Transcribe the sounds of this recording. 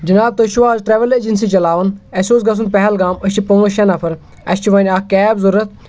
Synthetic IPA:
d͡ʒɐnaːb̚t̪ɐʃuʋaːzʈɾeʋɐled͡ʒinsit͡ʃɐlaːʋɐnɐsʲoːsɡɐs̬unpɐɦɛlɡaːmɐʃt͡ʃʰipɐmɐʃɐnɐpʰɐɾ | ɐsʲt͡ʃʰiʋɐːnʲaːkkɛːbzɐɾɐt̪̚

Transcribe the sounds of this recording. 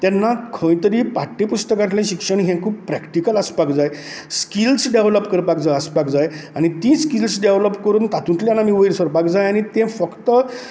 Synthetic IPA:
t̪janːakʰə̃j̃t̪əɾiːpaʈːepust̪əkãʈljãɕikʂəɳ̃ɦẽkʰuːbpɾɛkʈikələspakd͡zaj | skilsɖeʋləpkəɾpakd͡zaəspakd͡zajanit̪ĩskilsɖeʋləpːkəɾuːnt̪at̪ũʈ̪lanamĩʋəjɾsəɾpakd͡zajañit̪ẽfəkt̪ə

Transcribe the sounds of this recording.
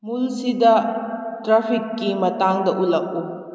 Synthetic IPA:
mulsidɐtɾapʰikːimɐtaŋdɐʔulɐk̚u

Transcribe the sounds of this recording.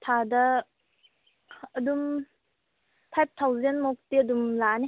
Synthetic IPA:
tʰadɐ | dum | pʰajp̚tʰawzenmok̚tiɐdumlani

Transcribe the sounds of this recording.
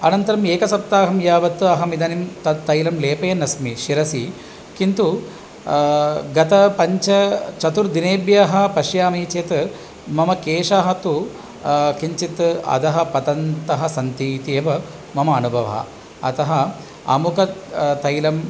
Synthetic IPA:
ɐnɐnt̪ɐɾɐmeːkɐsɐp̚t̪aːɦɐmjaːʋɐt̪ːɐɦɐmid̪ɐnimt̪ɐt̪ːɐjlɐmleːpɐjɐnɐsmiʃiɾɐsi | kint̪u | ɡɐt̪ɐpɐɲt͡ʃɐt͡ʃɐt̪uɾd̪ineːbjaːɦɐ̆pɐʃjaːmiːt͡ʃjɐt̪ | mɐmɐkeːʂaːɦɐt̪u | kiɲt͡ʃit̪ɐ̰t̪ɐɦɐ̆pɐt̪ɐnt̪ɐɦɐsɐnt̪iːt̪ijɐʋɐ | mɐmɐːnubʱɐʋɐ̰ɦɐ̰ | ɐ̰t̪ɐɦɐ | ɐ̰mukɐt̪ɐjlɐm

